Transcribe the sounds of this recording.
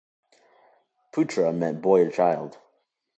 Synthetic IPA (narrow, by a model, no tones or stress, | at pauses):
pʰʉtʰɹ̥əmɛt̚b̥ɔɪət͡ʃʰaɪlˠd̥